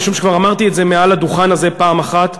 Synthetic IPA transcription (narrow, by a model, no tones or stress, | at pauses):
ʃumʃekvaʁamaʁt̪ietzemealad̪uχanaze̞paːmaχat̪